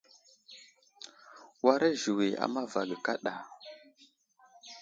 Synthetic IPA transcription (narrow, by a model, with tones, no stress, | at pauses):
wa˦ɾe˦ʒu˨wi˨a̰˨ma˦va˨ɡə˨ka˦ɗa˨